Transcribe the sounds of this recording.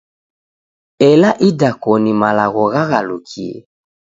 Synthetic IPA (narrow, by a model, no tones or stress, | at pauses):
ɛlaʔidakɔnimalaɣɔɣaɣalukʰiɛ̰